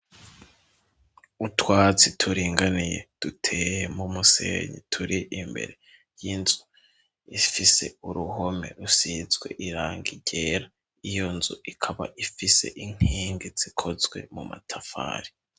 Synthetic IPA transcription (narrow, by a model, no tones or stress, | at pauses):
utwaːt͡sitʰuɾiːŋɡanijḛd̥utʰe̞ːjemumuse̞̰ːɲḭtʰuɾiʔimbe̞̰ɾe̞ | jinzu | ifise̞uɾuɦo̞me̞̰ɾusizɡwe̞̰ʔiɾaːŋɡiɟe̞ːɾa | ijo̞nzuʔikʰaβa̰ʔifise̞̰ʔiŋ̥hiːŋɡiz̥ikʰo̞zɡwe̞̰muma̰tʰafa̰ːɾi